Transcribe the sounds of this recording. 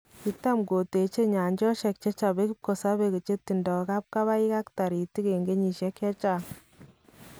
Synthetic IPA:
ki˨ta˦mɡo˨te˨t͡ʃe˦ɲa˨ɲd͡ʒɔ˦ʃɛ˨k̚t͡ʃe˦t͡ʃa˨be˦ki˦p̚ko˨sa˦be˦ke˨t͡ʃe˦tːi˨ndɔ˨ka˦p̚ka˦βa˦i˦ka˦kta˨ɾi˨ti˦ke˨ŋɡe˦ɲi˨ʃɛ˦kjɛ˦t͡ʃa˦˨

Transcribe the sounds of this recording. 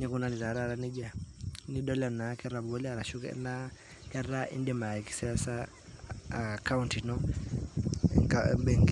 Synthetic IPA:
ɲɛ˦kuna˨li˨ɾa˨ɾaɾani˦d͡ʒa˨ni˦dɔ˦lɛ˨na˨kɛ˦ɾa˨bɡɔ˦lia˨ɾa˨ʃu˦kɛ̰na | kɛraʔḭ˦ndima˨ɛ˨ki̥˦sɛasa | ka˦unti˨nɔ | ŋka̰bɛ˦ŋɡ

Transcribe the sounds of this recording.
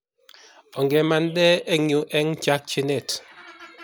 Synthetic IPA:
ɔ˨ŋɡɛ˨ma˨n˦dɛ˦e˦ŋju˨ʔɛ˦ŋ̩˦t͡ʃa˦k̚t͡ʃi˦ne˦˨t

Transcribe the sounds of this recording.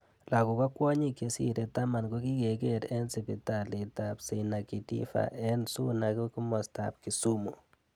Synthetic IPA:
la˨ku˨ka˦kwɔ˦ɲi˦ke˨˦sḭ˦ɾe˨ta˦ma˨nko˦ki˦ke˨ke˦ɾɛ˦nsi˨pi˨ta˨li˨ta˨pse˨na˨ki˨tḭ˦fa̰˨ʔɛ˦nsu˦na˨ku˦ki˦mɔ˨sta̰˨p̚ki˨su˦mṵ˨

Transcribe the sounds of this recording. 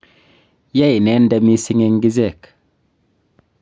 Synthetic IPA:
ja˦˨jne˦nda˨mi˦si˦ŋe˦ŋɡi˦ze˦˨k

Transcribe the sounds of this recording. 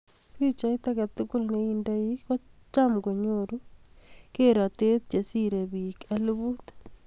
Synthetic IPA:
pit͡ʃa˦i˦t̪aka˨t̪ʊkʊ˦lneinda˦iko˦t͡ʃamɡo˨ɲoɾu | keɾa˨te˦t̪̚t͡ʃe˨siɾe˨bika˦luβu˦t

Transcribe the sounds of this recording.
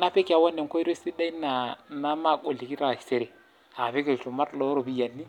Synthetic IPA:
na˦pe˦ka˨wɔ˦nːɛ˨ŋ˨ko˦i˦ɾo˦si˦da˦i˦na˨na˦ma˦˨ɡo˨li˨ki˦ɾa˦˨i˨se˨ɾe˨ | a˨pe˦ke˨tu˨ma˦tlɔ˦ɾo˦˨bi˦ja˨nːi˦

